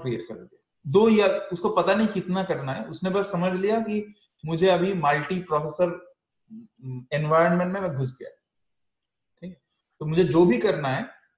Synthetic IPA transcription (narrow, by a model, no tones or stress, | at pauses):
kɾiḛːʈkɐɾɡ̪a | d̪oːjaʊskopɐt̪anɐɦĩkɪt̪nakɐɾnaɦɛ̰ʊsnebɐsːɐməd͡ʒʱlijaki | mʊd͡ʒʱeɐbʱimɐlʈipɾɔːs̬eːsəɾ | ɛnʋaːɪɾənmẽɳʈmẽẽɡʱʊs̬ɡija̰ɦɛ | ʈʰiːkɛ | t̪omʊd͡ʒʱed͡ʒoːbʱikɐɾnaɦɛː